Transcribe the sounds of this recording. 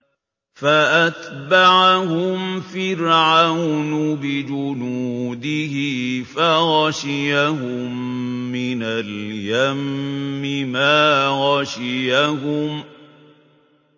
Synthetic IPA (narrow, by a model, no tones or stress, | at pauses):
faʔat̪baʕahʊmfɪɾʕawnʊbɪd͡ʒʊnuːd̪ɪhɪfaɣɑʃɪjahʊ | mːɪnaljamːɪmaːɣɑʃɪjahʊm